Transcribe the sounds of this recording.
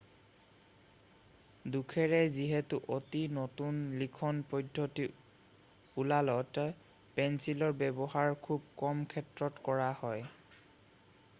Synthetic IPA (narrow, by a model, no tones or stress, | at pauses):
dukʰɛɹɛziɦɛtʊʔotinotunlikʰɔnpɔdʱːɔti | ulalɔt | pɛnsilɔɹbɛbɔhaɹkʰub̚kɔmkʰɛtɹɔtkɔɹahɔj